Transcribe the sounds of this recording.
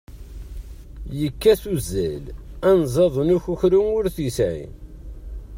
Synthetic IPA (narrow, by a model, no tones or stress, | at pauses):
jəkːæθuzːælænzˤɑðˤnuçuçɾumʊɾθisʕḭn